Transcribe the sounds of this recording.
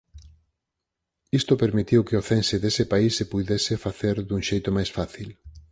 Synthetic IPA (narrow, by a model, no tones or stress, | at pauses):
ist̪opeɾmit̪iwkɪoθensɪðesɪpaisːepuðesɪfaθeɾðuŋʃejt̪omajsfaθil